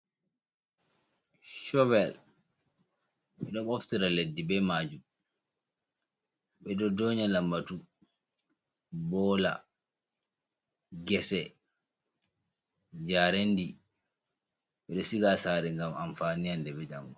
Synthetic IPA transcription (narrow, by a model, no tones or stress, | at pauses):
ʃɔwɛl | ɓɛɗɔmoftiɾaledːibɛmad͡ʒum | ɓɛdɔdɔɲalambatu | bɔːla̰ | ɡɛsɛ | d͡ʒaːɾendi | ɓɛɗɔsiɡasaɾɛŋɡamamfanijandɛɓɛd͡ʒamɡɔ